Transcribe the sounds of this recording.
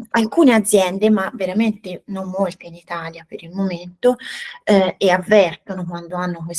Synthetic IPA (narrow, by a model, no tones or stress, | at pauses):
alkuːnead̪zːjɛnd̪emavːeɾament̪enomːolt̪einit̪aːljapeɾilmoment̪o | eavːɛrt̪onokwand̪oanːokwes